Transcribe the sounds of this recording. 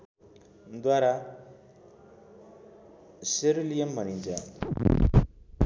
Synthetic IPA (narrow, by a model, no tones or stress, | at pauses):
d̪waɾa | seɾulijʌmbʱʌnint͡sʰʌ